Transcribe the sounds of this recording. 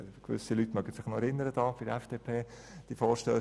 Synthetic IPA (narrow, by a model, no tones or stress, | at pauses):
kʋʏ̰silytːmœɡ̥əsɪχnɔɛɾɪnːəɾədɑːfɪɾ̥ɛfd̥eːpʰeː | d̥ifɔːɾʃtøː